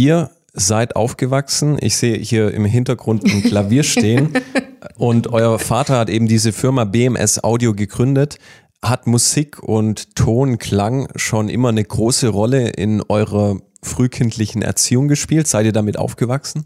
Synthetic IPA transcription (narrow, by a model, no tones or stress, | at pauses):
ʔiːɐ | zaɪtʔa̰ʊfɡ̥əvaksn̩ʔɪ̰çz̥eːəhiːɐɪ̰mɦɪntɐɡʁʊntnkʰlaviːɐʃteːənʔʊntʔɔʏɐfaːtɐhatʔeːbm̩diːzəfɪɐmabeɛmʔɛ̰sʔa̰ʊdioɡəɡʁʏndət | hatmuziːkʰʊntʰːoːnkʰl̥aŋʃoːnʔɪ̰mɐnəɡʁoːsəʁɔləʔɪ̰nʔɔʏʁɐ | fʁ̥yːkʰɪntʰlɪçn̩ʔɛ̰ɐt͡siːʊŋɡəʃpiːltz̥aɪtiːɐdamɪtʔa̰ʊfɡ̥əvaksn̩